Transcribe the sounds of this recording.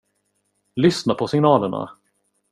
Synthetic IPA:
lʏsnapʰɔsɪŋnɑːləɳa̰

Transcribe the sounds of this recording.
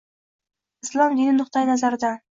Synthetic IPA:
ɪslˠɒmd̪inɪnʊχt̪ajɪnazaɾɪd̪a

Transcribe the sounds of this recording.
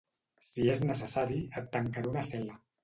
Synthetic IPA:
sieznəsəsaɾiət̪ːəŋkaɾunasɛla

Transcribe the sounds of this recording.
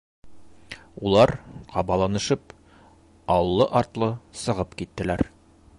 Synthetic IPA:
ulˠɑɾqʰɒbɑlˠɑnɤ̆ʃɤp | ɒllˠːɤʔɒɾt̪lˠɤsɤ̆ʁɤpkit̪ːɘ̆læɾ

